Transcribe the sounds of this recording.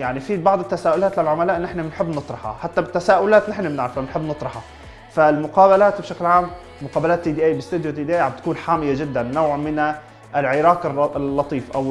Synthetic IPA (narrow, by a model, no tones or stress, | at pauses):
jaʕnifibɑʕd̪ˤɪt̪ːasaːʔʊlaːt̪lalʕʊmalaːʔɪnːʔɪħnamɪnħɪbːnɨt̪ˤɾˤɑħɑ̰ħat̪ːabɪt̪ːasaːʔʊlaːt̪nɪħnamnɪʕɾfaɪnħɪbːnɨt̪ˤɾˤɑħɑ | falmʊqaːbalaːt̪bʃaklʕaːm | mʊqɑːbalaːt̪ːiːd̪iːʔaːjbɪst̪ud̪jot̪iːd̪iːʔaːjʕab̚t̪ḁkuːnħaːmɪjad͡ʒɪd̪ːanːawːʕmɪn | ɪlʕɪɾɑːkɪrlːɑt̪ˤiːfʔaw